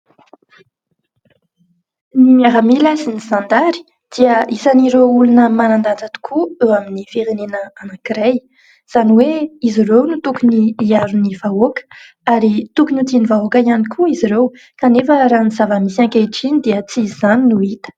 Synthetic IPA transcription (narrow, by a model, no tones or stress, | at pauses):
miaɾamilazinizand̪aɾi̥ | d̪̥iəisaniɾoulunəmanand̪and͡zat̪u̥kʰuewaminifiɾenenəanakiɾej | z̥aniweizirewnut̪ukuniːaɾunivaokə̥ | aɾit̪ukunut̪inivaokəianikʰuiziɾew | kanefəɾanizavamisiãŋkʲaʈ͡ʂinid̪eət͡sizaninuit̪ə̥